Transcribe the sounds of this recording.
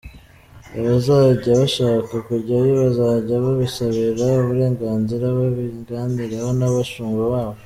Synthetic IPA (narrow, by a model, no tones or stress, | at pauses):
aβazaɟaβaʃaːkakuɾɟajoβazaːɟaβaβisaβiɾauβuɾe̞ːŋɡaːnziɾaβaβiŋɡaːndiɾahonaβaʃuːŋɡaβaːβo